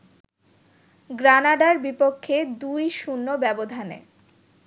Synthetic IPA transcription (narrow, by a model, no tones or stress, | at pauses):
ɡɾanaɖaɾbipokʰːed̪ujʃunːobɛbod̪ʱanḛ